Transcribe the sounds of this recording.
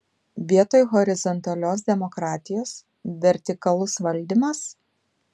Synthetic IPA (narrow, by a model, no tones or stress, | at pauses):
ʋʲiɛt̪oːjɣɔɾʲɪzɔnt̪ɐlʲoːs̬d̪ʲɛmɔkɾɑːt̪ʲɪjoːs | ʋʲɛɾʲt̪ʲɪkɐlˠʊsʋɐlʲˑd̪ʲimɐs